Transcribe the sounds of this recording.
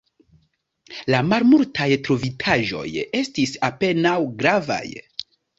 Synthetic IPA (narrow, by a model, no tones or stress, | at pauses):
lamalmultʰajtɾovitʰaʒo̞̰je̞stisape̞nawɡɾava̰j